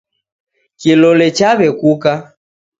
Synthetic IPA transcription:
kilɔlɛt͡ʃaβɛkuka

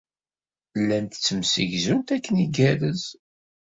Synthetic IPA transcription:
lːænt̪ət͡sːəmsə̰ʝzunt̪ækːəniɡæɾəz

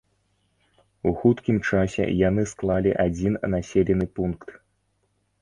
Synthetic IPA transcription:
uxut̪kʲimt͡ʂasʲɛ̰janɨsklˠalʲiʔad͡zʲinnasʲelʲɛnɨpunkt̪

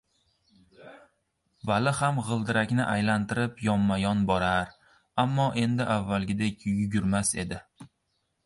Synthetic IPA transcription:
valɪhamʁɨlˠd̪ɪɾakʲnɪʔajlant̪ʰɪɾɪpjɒmːajɒnbɒɾaɾ | amːɒʔe̞nd̪ɪʔavːalˠɡʲɪd̪e̞kʲjʊɡʲʊɾmase̞̰d̪ɪ

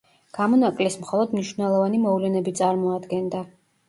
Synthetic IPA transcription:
ɡ̥amɔnakʼlismχɔlˠɔd̪mniʃvnɛlˠɔvanimɔvlɛnɛbit̪sʼaɾmɔad̪ɡɛnd̪a

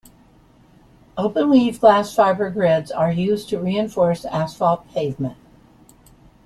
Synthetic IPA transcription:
oʊpə̃nlivɡlæsfaɪbə˞ɡɹɪdzə˞jʉztʰɨɹiɨ̃ɱfɔɹsæsfɔlˠt̚pʰeɪvmə̃nt̚

